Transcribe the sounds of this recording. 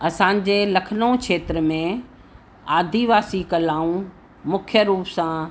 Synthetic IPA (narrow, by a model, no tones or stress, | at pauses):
ɐsãːɲ̆d͡ʑelɐkʰənõkʃeːt̪ɾəmẽ | aːd̪ʱiʋaːsikɐlaːũ | mʊkʰjəɾuːpsã